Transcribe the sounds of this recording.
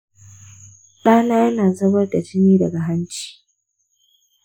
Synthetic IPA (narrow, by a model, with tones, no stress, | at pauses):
ɗaː˦naː˦jɐ˦naː˨zɐ˦bɐ˦rda˨d͡ʒɪ˦niː˦dɐ˨ɡa˨ɦa˦nt͡ʃi̥ː˨